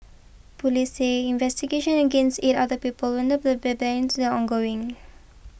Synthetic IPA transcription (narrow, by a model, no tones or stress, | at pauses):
pɔliseɪ̃nvɛstiɡeʃə̃nəɡẽnstetadəpiːpəlwɛ̃ndəp̚d̪əbɛbɛɪ̃ntud̪əɔ̃nɡoɪ̃ŋ